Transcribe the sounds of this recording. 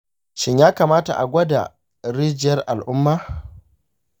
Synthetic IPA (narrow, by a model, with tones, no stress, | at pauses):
ʃɪ˦ɲjaː˦kaː˨maː˦ta̰˨ʔa̰˨ɡʷɐ˦da̰˨ | ɾiː˦d͡ʒɪ˨jɐ˦rʔa˨lʔʊ˦mːaː˦